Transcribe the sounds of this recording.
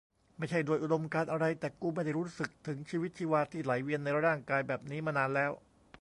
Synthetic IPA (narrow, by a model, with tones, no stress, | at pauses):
ma˥˩jt͡ɕʰa˥˩jdoː˧əjʔu˨do˧mkaː˧nʔa˧ɾa˧jt̪ɛː˨˩kuː˧ma˥˩jda˥˩jɾuː˦˥sɯ˨˩k̚t̪ʰɯ˩˦ŋt͡ɕʰiː˧wi˦˥t̪̚t͡ɕʰiː˧waː˧t̪ʰiː˥˩la˩˦jwi˧ənːa˧jɾɾaː˥˩ŋkaː˧jbɛː˨˩p̚niː˦˥maː˧naː˧nlɛː˦˥w